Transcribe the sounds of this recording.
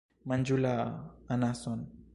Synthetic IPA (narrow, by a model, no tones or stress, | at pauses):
maɲd͡ʒulaanasɔn